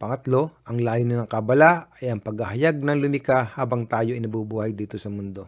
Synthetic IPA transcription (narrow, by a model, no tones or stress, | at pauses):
pɐŋɐt̪lo̞ʔɐŋlaːjʊnɪnɐŋkɐbɐlaɐjɐŋpɐɡhɐhɐjaɡ̚nɐŋlʊmɪkahaːbɐŋt̪aːjo̞ʔɪnɐbubuːhɐjd̪iːt̪o̞sɐmʊnd̪o̞